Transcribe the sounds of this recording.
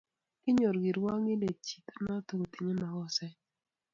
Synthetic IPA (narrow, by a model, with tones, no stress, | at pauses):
ɪ˦ɲo˨ɾɡi˨ɾwa˦ŋɪ˦le˨t͡ʃi̥˨t̪a˦na˦t̪o˦ɡo˨t̪i˨ɲe˦ma˨kɔ˦sɛ˦